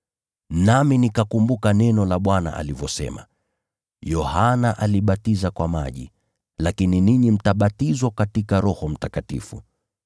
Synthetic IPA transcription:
naminikakumbukanɛnɔlaɓwana̰ʔa̰livjɔsɛ̰ma̰ | jɔhanaʔaliɓatizakwama̰ʄḭ | lakininiɲim̩taɓatizwakatikaɾɔhɔm̩takatḭfṵ

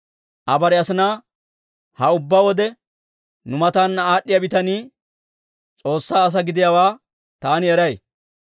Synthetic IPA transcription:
ʔɐbɐɾɛɐsɪnaː | hɐʊbːawɔd̪ɛ | nʊmɐt̪aːnːɐaːɗːɪjɐbɪt̪ɐniː | t͡sʼo̞ːsːaːɐs̬ɐɡɪd̪ɪjawaː | t̪aːnɪɛɾɐj

